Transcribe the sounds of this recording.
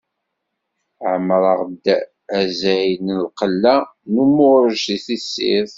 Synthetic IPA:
ʕəmɾˤəʁd̪ | æzæjənəlqəlːænumʊɾəʒiθisːḭθ

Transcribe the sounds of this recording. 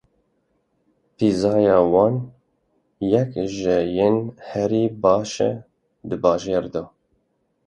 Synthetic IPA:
pʰizɑːjɑːwɑːn | jɛkʒɨjenhɛɾiːbɑːʃɛ̰ | d̪ɨbɑːʒeːɾd̪oː

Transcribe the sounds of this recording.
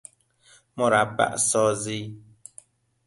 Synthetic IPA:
mɔɾaba̰ʔsɔːzi

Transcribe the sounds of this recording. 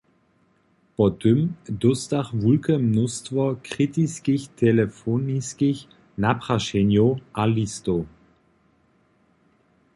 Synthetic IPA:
pɔtʏmdɔstaχvulkəmnʊstvɔkʁ̥itiskiçtʰɛləfoniskiç | napʁ̥aʃɛnjoʔalisto

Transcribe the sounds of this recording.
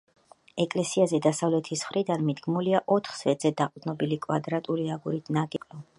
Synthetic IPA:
ɛkʼlɛsiazɛd̪asavlɛt̪ʰisχɾid̪anmid̪ɡmuliaʔɔt̪ʰχsvɛd̪z̥ɛd̪aqʼd̪nɔbilikʼwa̰d̪ɾat̪ʼuliaɡuɾit̪ʰnaɡʼɛqʼlɔ

